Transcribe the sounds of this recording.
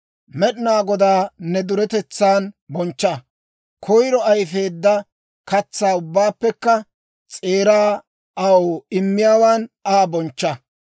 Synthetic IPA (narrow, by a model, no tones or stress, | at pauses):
mɛɗɪnaːɡɔd̪aːnːɛd̪ʊɾɛt̪ɛt͡sːaːnbɔnt͡ʃːɐ | kʰɔjɾɔɐjfe̞ːd̪ːɐ | kɐt͡sːaːʊbːaːpːɛkːɐ | t͡sʼe̞ːɾaː | ɐwoɪmːɪjaːwaːnaːbɔnt͡ʃːɐ